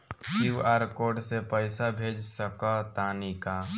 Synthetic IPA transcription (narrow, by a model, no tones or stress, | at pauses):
uaːɾkoːɾɖsepəɪsabʱeːd͡ʒsəkat̪aːnika